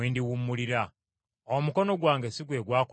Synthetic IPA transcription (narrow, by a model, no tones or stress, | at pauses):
iːndiwumːuliɾa | omuko̞no̞ɡwaːŋɡesiɡwe̞ːɡwaːk